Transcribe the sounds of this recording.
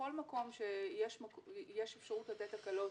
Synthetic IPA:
o̞lmako̞mʃejeʃmakjeʃefʃaʁutlat̪etakalo

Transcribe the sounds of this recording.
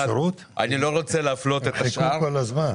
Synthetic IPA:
ɾut̪ | ʔa̰nilo̞ʁo̞t͡seleaflo̞t̪et̪aʃʔakolazman

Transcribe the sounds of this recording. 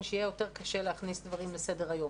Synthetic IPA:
nʃeijejo̞te̞ʁkaʃeleaχnisd̪vaʁimlesedeʁajo̞

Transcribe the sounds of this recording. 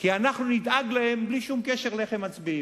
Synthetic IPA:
kianaχnunid̪aɡlahe̞mbliʃumkeʃeʁleχemat͡sbiim

